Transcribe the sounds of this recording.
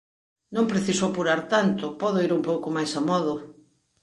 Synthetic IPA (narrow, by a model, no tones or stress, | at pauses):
nõmpɾeθisoapuɾaɾt̪ant̪ʊpɔðoiɾumpowkomajsamɔðo